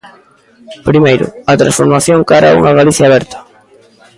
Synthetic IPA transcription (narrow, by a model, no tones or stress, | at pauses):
pɾimejɾʊ̰ɐt̪ɾa̰nsfoɾmaθjoŋkaɾaṵŋɐɣaliθjaːβɛɾt̪ɐ̥